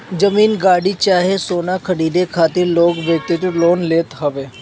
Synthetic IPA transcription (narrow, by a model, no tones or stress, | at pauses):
d͡ʒəmiːnɡaːɽit͡ʃaːɦesoːnakʰɐɽiːd̪ekʰaːt̪ɪɾloːɡʋjək̚t̪ɪʈ̪ɪloːnleːt̪ɦɐʋeː